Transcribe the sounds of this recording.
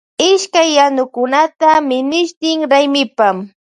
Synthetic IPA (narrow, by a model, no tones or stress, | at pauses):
ɪʃkajːanʊkʊnat̪amɪnɪʃt̪ɪŋɾajmɪpam